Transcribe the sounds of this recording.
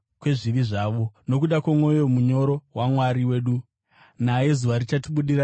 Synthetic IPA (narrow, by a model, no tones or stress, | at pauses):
kwe̞ʐiʋiʐaːʋo̞no̞kuɗakwamwo̞jo̞muɲo̞ɾo̞wamwaɾiwe̞ːɗu | naje̞zuʋaɾit͡ʃatiɓuɗiɾa